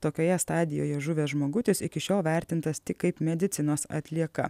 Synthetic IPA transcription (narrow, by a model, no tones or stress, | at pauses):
t̪oːkʲoːjɛst̪ɑːd̪ʲɪjo̰ːjɛʒʊʋʲeːsʒmoːɡʊt̪ʲɪsɪkʲɪʃʲoːlˠʋʲæˑɾʲt̪ʲɪnt̪ɐst̪ʲɪkkɐɪpmʲɛd̪ʲɪt̪sʲɪnoːsɐ̰t̪ʲlʲiɛkɐ̰